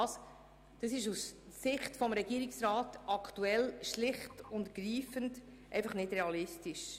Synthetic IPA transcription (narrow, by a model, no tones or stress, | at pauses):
ɑs | d̥ɑsɪʃussɪχtfɔmɾɛɡ̥iːɾɪksɾɑːtʔɑktuɛlʃlɪχtʊntɡ̥ɾiːfənd | ʔɛ̰ɪfɑχnɪdɾɛɑlɪstɪʃ